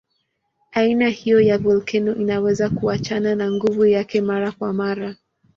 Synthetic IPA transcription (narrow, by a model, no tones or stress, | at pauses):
ainahijɔjavɔlkʰɛnɔʔinawɛzakuat͡ʃananaŋɡuvujakɛmaɾakwamaɾa